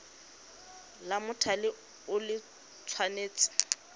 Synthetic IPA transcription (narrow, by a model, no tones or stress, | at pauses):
lamʊtʰalɪ | ʊlɪ | t͡sʰwaneːt͡sʼɪ̥